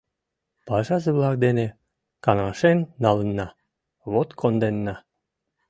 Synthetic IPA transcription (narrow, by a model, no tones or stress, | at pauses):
pɑʒɑzeβlɑk̚d̪ene | kɑnɑʃenːɑlənːɑ | βot̪kʰond̪enːɑ